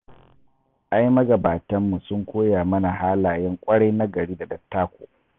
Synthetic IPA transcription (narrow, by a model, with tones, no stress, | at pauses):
ʔa˦jmɐ˦ɡɐ˨baː˨tɐ˦mːu˨sʊ˦ŋkʷoː˦jaː˨mɐ˦na˨ɦaː˦laː˨jɛ˦ŋkʷʼɐ˦ɽa˦jna˦ɡɐ˨ɽiː˦da˨dɐ˨tːaː˦kʷo̰ː˨